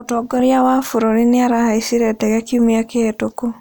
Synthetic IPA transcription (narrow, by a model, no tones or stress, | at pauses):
otɔɡɔɾjawafuɾoɾineaɾahaisiɾɛtɛɣɛkiumiakeɛtoko